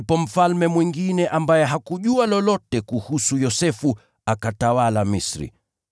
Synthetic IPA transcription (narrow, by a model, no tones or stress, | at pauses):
pɔm̩falmɛmwiŋɡinɛʔambajɛɦakuʄualɔlɔtɛkuhusujɔsɛfu | akatawalamisɾḭ